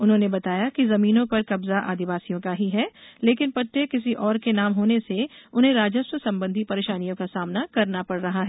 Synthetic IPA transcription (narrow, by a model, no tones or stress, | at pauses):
ʊnɦõnebɐt̪aːjakizɐmiːnõpɐɾkɐbzaʔa̰ːd̪ɪʋaːsijõkaɦiɦɛːleːkɪnpɐʈ̪ːekɪs̬iʔɔːɾkenaːmɦoːneseʊnɦẽɾaːd͡ʒəswəsɐ̃mbə̃nd̪ʱipɐɾeːʃaːnijõkasaːmnakɐɾnapɐɽɾɐɦaɦɛː